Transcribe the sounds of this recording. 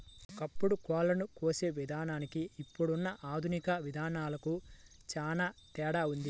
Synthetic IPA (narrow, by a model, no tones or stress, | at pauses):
ɔkɐpːuɽukɔːlɐnukoːse̞ːʋid̪ʱaːnaːnikiːpːuɽunːɐʔaːd̪ʱunikɐʋid̪ʱaːnaːlɐku | t͡ʃaːnaːt̪ɛːɽaːund̪i